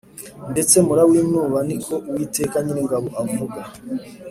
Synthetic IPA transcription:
nde̞t͡se̞muɾawiːnuːβaniko̞uwite̞ːkaɲiniŋɡaβoʔavuɡa

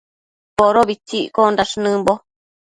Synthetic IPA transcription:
poɾoβit͡ʃiʔkondaʂnɨ̃mbo

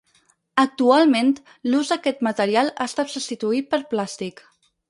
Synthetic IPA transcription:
ək̚t̪ualˠment̪ | luzðəkɛt̪mət̪əɾialˠa̰st̪at̪sust̪it̪uipəɾplast̪ik

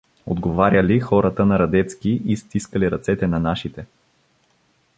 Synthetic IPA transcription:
o̰d̪ɡovaɾʲjəlixɔɾət̪ənɐɾɐd̪ɛt̪skiʔist̪iskəliɾɐt̪sɛt̪ɛnɐnaʃit̪ɛ

